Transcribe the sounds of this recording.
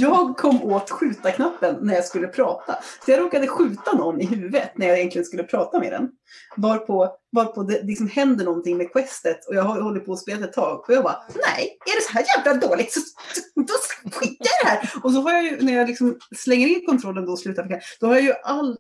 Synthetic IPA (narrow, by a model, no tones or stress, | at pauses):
jɑːɡ̚kʰɔmːoːt̪ɧʉ̟ːt̪akʰnapːənːæɾjɑskɵlːəpʰɾɑːt̪a̰sɔjɑɾoːkad̪əɧʉ̟ːt̪anɔnːɪɦʉːvət̪næɾjɑjɛnt̪lɪɡənskɵlːəpʰɾɑːt̪amḛːd̪ɛ̰n | vɑːɾpʰɔvɑɾpʰɔd̪ɛlɪksɔmhɛnd̪əɳɔnt̪ɪŋmekʰwɛst̪ət̪ʰɔjɑɡɦɔhɔlːəɾpʰɔːspeːlaɛt̪ʰːɑːɡɔjɑːɡba̰nɛ̰ɪæɖɛsɔɦæːɾjæːvlad̪oːlɪɡ̚t̪sɔd̪ɔɧɪkːajad̪ɛhæːɾɔsɔɦaɾjɑjɵnæɾjɑlɪksɔmslɛŋːəɾɪnkʰɔnt̪ʰɾɔlːənd̪ɔslʉ̟ːt̪aɾpfɔkʰnapːd̪̥ɔhaɾjajɵʔalː